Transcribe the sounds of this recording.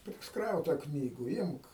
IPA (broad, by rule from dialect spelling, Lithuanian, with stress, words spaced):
pʲrʲɪsˈkrɐʊtɐ ˈknʲiːɡʊ ˈɪmk